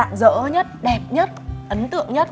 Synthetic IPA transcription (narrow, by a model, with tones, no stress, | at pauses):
a̰ː˧˨ŋzə̰ː˧˥ɲə˦˥t̚ɗɛ˨˩p̚ɲə˦˥t̚ʔə˨˦nt̪ɨ̰˧˨əŋɲə˦˥t̚